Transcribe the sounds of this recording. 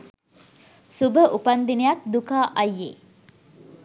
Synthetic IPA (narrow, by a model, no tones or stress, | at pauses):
subəʔupand̪inejak̚d̪ukaːʔɐjːḛ